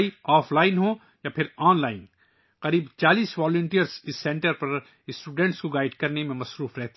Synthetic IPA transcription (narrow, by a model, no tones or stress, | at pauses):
iɔːflaːɪnɦõ | japʰɪɾɔːnlaːɪn | qɐɾiːbt͡ʃaːliːsʋaːlʊ̃ɳʈijəɾzɪsːɛ̃ɳʈəɾpɐɾ | ɪsʈuːɖɛ̃ɳʈskoɡaːɪɖkɐɾnemẽmɐsɾuːfɾɛɦt̪e